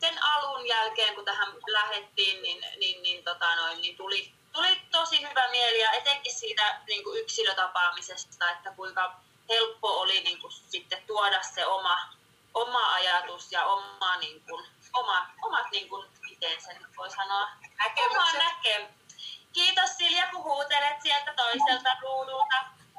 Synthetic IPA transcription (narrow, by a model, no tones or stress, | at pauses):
senɑlunjælkeːŋkut̪æhæmlæhet̪ːiːnninninnint̪ot̪ɑnoinːint̪uli | t̪ulit̪osihyʋæmielijɑet̪eŋkːissiːt̪æniːŋkuyksiløt̪ɑpɑmisest̪ɑet̪ːækuiŋkɑ | helpːooliniːŋkussit̪ːet̪t̪uodɑsseomɑ | ʔomɑɑjɑt̪usjɑomɑniːŋkunomɑt̪omɑt̪niːŋkunmit̪ensenyt̪ʋoisɑnoɑnækemɑnnækːem | kiːt̪ossiljɑkuhuːt̪elet̪sielt̪æt̪oiselt̪ɑruːdult̪ɑ